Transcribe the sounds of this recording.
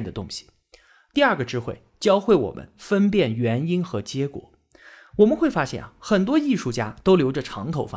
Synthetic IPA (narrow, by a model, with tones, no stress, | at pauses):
d̪ə˩t̪ʊ˥ŋɕi̥˨˩ | t̪i˥˧ɐ˞˥˩ɡə˩ʈ͡ʂɻ̩˥xwe˥˩ɪt͡ɕjɑ˥ʊxwe˥˩ɪwɔ̰˨˩mə̰˦nfə˥npjɛ˥˩nɥɛ˧˥ni˥nxɤ˧˥t͡ɕjɛ˧˥kwɔ̰˨˩˦ | wɔ˨˩mə˧nxwe˥˩ɪfa˥ɕjɛ̰˥˩na˩xə˨˩nt̪̬wɔ˥i˥˧ʂu˥˩t͡ɕja˥t̪o˥ʊljo˧˥ʊʈ͡ʂə˥˧ʈ͡ʂʰɑ̰˧˥ŋt̪ʰo˧˥ʊfa˥